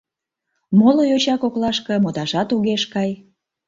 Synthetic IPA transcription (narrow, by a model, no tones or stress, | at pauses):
molojot͡ɕɑkoklˠɑʃkɤ̆mot̪ɑʒɑt̪uɣeʃkɑj